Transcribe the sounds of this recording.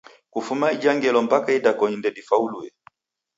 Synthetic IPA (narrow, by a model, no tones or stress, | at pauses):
kufumaid͡ʒaŋɡɛlɔm̩pakaidakɔɲindɛdifauluɛ